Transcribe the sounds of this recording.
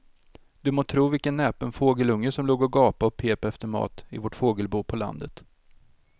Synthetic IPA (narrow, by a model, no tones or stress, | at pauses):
d̪̥ɵmoːt̪ʰɾuːvɪlkənːɛːpənfoːɡəlɵŋːəsɔmloːɡɔɡɑːpaɔpʰeːpɛft̪əɾmɑ̰ːt̪ɪ̰vɔʈfoːɡəlbuːpʰɔla̰nd̪ət̪